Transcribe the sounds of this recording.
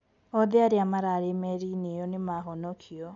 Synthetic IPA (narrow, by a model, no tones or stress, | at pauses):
ɔðeaɾeamaɾaɾemɛɾinejɔnemaɦɔnɔkʰiɔ